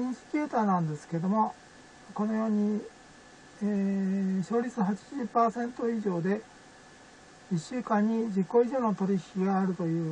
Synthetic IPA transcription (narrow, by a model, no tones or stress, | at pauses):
ĩsɨ̥kʲeːt̪aːnãnd̪e̞sɨ̥ke̞d̪o̞mo̞ | ko̞no̞jo̞ːɲ̟i | eːɕo̞ːɾʲit͡sɨɦat͡ɕi̥ʑɨpaːsẽ̞nt̪o̞iʑo̞ːd̪e̞ | iɕːɨːkãɲ̟ːid͡ʑikːo̞iʑo̞ːno̞t̪o̞ɾʲiçʲkʲiɡaːɾɯ̟t̪o̞jɯ̟ː